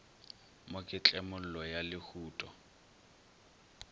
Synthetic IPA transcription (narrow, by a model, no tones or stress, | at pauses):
mokʼɪt͡ɬʼɛmʊl̩lɔjalɪhuːtʼɔ